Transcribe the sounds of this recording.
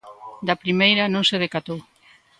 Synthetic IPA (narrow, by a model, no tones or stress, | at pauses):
d̪ɐpɾimejɾɐnõŋseð̞ekat̪ow